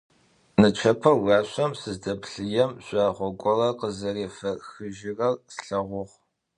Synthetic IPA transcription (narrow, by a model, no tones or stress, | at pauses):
nɨt͡ʃʷʰɐpʰɐwɑːɕʷɐmsɨzdɐpɬɨjɛmɕʷʼaːʁʷɔkʷʼɔrɐqəzɐreːfɐxɨʒɪrɐrsɬɐʁʷʊʁ